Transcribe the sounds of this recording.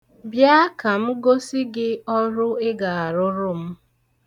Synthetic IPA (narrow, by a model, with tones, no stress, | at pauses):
bja˦ka˨m̩˦ɡo˦sɪ˦ɡɪ˦ɔ˦ɾʊ˦ɪ˦ɡa˨a˨ɾʊ˦ɾʊ˦m̩˦